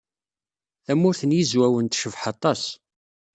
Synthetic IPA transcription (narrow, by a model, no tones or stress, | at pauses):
θæmʊɾθənjizwæwənt̪ʃəvħɑt̪ˤɑs